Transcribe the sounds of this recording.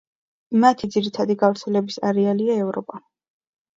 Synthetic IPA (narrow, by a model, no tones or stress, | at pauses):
mat̪ʰid̪ziɾit̪ʰad̪iɡavɾt̪sʰɛlɛbisaɾɛaliaɛvɾɔpʼa